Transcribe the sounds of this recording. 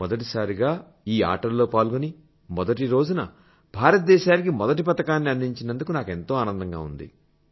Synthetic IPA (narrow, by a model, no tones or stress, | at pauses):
mɔd̪ɐʈ̬isaːɾiɡaː | iːa̰ːʈɐɾlo̞ːpaːlɡoni | mɔd̪ɐʈ̬iɾo̞ːd͡ʒunɐ | bʱaːɾɐt̪̚d̪ɛːʃaːnik̬imɔd̪ɐʈ̬ipɐt̪ɐkaːnːiɐnd̪iɲt͡ʃinɐnd̪ukunaːke̞nt̪o̞ːaːnɐnd̪ɐŋɡa̰ːṵnd̪ḭ